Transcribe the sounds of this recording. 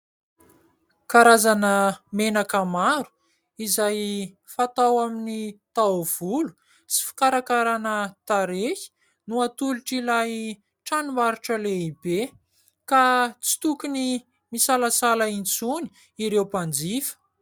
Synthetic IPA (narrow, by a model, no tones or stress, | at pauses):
kaɾazanəmenakamaɾu̥ | izaj | fat̪awaminit̪awv̥ulu̥ | t͡si̥fi̥kaɾakaɾanət̪aɾeki̥ | nuat̪uluʈ͡ʂilaj | ʈ͡ʂanumaɾuʈ͡ʂəleibe | kat͡si̥t̪ukuni | misalasalaint͡suni̥ | iɾewpand͡zifə̥